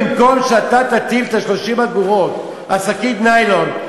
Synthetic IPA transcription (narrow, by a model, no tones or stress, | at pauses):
mkomʃeat̪at̪at̪ilt̪aʃlo̞ʃimaduʁot̪ | asakit̪najlon